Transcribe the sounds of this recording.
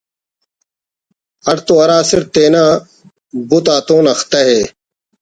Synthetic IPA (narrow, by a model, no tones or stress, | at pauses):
ɐɽt̪oɐɾaːsɪɾt̪eːnaː | but̪aːt̪oːnɐxt̪ɐɦeː